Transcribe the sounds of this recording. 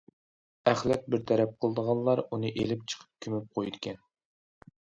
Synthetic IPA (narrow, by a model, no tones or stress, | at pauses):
æχlɛt̪̚bɪɾt̪ʰæɾɛp̚qʰəlˠd̪əʁɑnllˠɑɾunɨʔelɪp̚t͡ʃʰə̥qʰə̥p̚kʲʰymyp̚qʰojd̪ɪkʲʰɛn